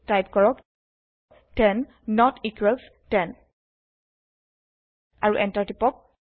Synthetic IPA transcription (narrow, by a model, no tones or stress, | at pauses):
tajp̚kɔɹɔk | tɛnː | ɔtikwɛls | tɛn | aɹuʔɛntaɹtipɔk̚